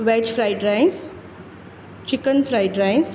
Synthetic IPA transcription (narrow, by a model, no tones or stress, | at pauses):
ʋɛːt͡ʃfɾaɪɖɾãɪ̃ns | t͡ʃɪkənfɾaɪɖɾãɪ̃ns